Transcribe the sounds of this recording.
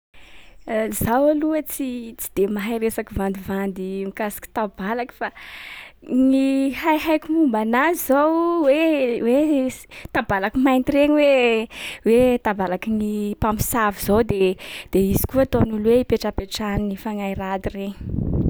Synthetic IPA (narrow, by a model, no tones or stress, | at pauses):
zawaluət͡sit͡si̥d̪̥emaɦiɾesakivand̪ivand̪imikasi̥ki̥t̪abalaki̥fa | nihajɦajkumumbanazizowwewet̪abalakimajnt̪ireɲiwe | wet̪abalakinipami̥savizod̪ed̪̥eizi̥kuat̪onulweipeʈ͡ʂapeʈ͡ʂaninifaŋairad̪ireɲi̥